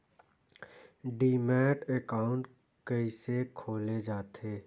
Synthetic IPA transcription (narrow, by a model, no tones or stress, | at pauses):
ɖiːmɛːʈekaːʊ̃ɳʈ | kəisekʰoːled͡ʒaːt̪ʰeː